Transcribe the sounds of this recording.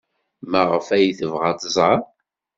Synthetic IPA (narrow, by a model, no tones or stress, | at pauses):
mæʁəfæjθəvʁat̪əzˤʁɑ